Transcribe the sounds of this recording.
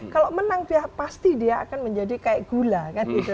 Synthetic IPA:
kaloʔmənaŋpiahpast̪idia̰ːkanməɲd͡ʒadikaɪʔɡ̥ulakanit̪u

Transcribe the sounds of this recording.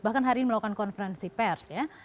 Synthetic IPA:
bahkanɦaɾiniməlaɔkankɔnfəɾɛnsipɛrsja

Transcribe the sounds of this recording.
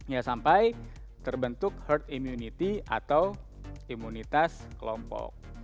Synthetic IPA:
jasampaj | t̪ərbənt̪ʊk̚hərt̪imjunit̪iʔa̰t̪aw | imunit̪askəlɔmpɔ̰k̚

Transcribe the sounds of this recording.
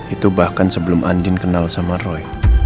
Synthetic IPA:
it̪ubahkansəbəlʊmʔandɪnkənalsamarɔj

